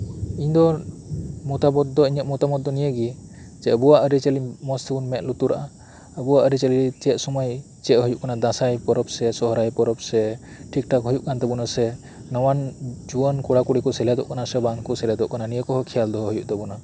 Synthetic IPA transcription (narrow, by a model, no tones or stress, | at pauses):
iɲd̪ɔ | mɔt̪abɔt̪̚d̪ɔiɲəʔ̪̚mɔt̪amɔt̪̚d̪ɔnijəɡid͡ʒɛəbuwaʔəɾit͡ʃelimɔst̪ʰɛbunmɛt̪̚lut̪uɾa̰ʔa | əbuwaʔəɾit͡ʃɛlit͡ʃɛt̪̚sɔmɔj | t͡ʃɛt̪̚ɦujuʔkanad̪ãsajpɔɾɔp̚sɛsɔɦɔɾajpɔɾɔp̚sɛ | ʈʰik̚ʈakɦujuʔkant̪ɛbunasɛ | nɔwand͡ʒuənkɔɽakuɽikɔsɛljad̪ɔ̰ʔkanasɛbaŋkɔsɛljad̪ɔʔkananijəkɔɦɔkʰijald̪ɔɦɔɦujuʔt̪ɛbuna